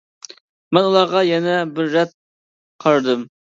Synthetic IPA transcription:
mɛnulˠɑʁɑjɛnɛbɪɾːɛt̪̚ | qʰɑɾɨd̪ɨm

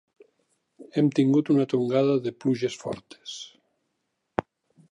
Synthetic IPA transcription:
emt̪iŋɡut̪unat̪oŋɡaðaðepluʒesfɔ̰ɾt̪e̥s

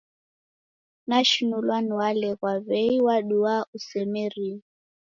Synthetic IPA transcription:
naʃunulwaniwalɛkwaβɛiwaɗuausɛmɛɾi

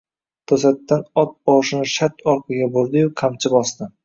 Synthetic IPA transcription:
t̪ʰosat̪ːanɒp̪̚ɒʁʃɪnɪʃat̪ɒɾqɨɡʲaboɾd̪ɪjʊqʰamt͡ʃʰɪbɒsd̪ɪ

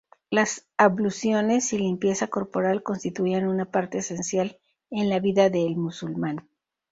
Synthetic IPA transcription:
lasaβlusjo̞ne̞silimpje̞sako̞ɾpo̞ɾalko̞nst̪it̪uianunapaɾt̪e̞ːse̞nsjal | e̞nlaβiðaðe̞ːlmusulmãn

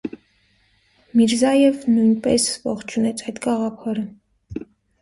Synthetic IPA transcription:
miɾzɑjɛvnujnpɛ̰svɔ̰χt͡ʃʰunɛt͡sʰɑjt̪ɡɑʁɑpʰɑɾə

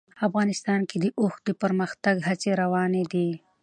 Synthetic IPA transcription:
afɣɑːnɪst̪ɑːnked̪əʔʊxd̪əpəɾməxt̪aɡɦat͡seɾawɑned̪i

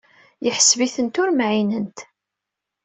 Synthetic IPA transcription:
jəħəsviθənt̪ʊɾmʕinənt̪

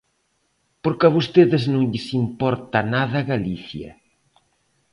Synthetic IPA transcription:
poɾkaβost̪eðɪznõŋʎɪsimpɔɾt̪ɐnaðɐɣaliθjɐ̰

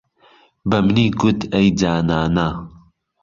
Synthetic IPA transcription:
bɐmniːɡʊt̪ejd͡zaːnaːna

